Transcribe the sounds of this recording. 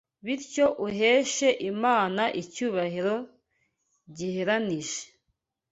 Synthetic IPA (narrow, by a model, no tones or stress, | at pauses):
βiɾco̞ʔuɦeːʃe̞ʔimaːnaʔicuːβahiɾo̞ | ɟiheɾaniʒe̥